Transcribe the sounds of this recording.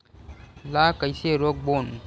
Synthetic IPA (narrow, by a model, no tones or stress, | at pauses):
lakəjseɾok̚boːn